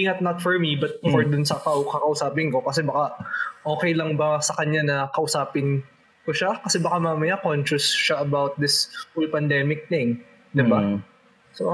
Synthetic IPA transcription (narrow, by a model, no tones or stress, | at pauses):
iːŋɐt̪̚nɐt̪fɔɹmibɐt̪̚fɔɹd̪ʊnsɐkawkɐkɐʔʊsaːpɪnko̞kɐsɛbɐkaʔʔo̞ːkɛjlɐŋbɐsɐkɐɲanɐkɐʔʊsaːpɪn | koʃakɐsɛbɐkamaːmɐjakonʃʊsʃaʔɐbawt̪̚d̪ɪsfolpɐnd̪ɛːmɪk̚t̪ɪŋ | d̪ɪba | so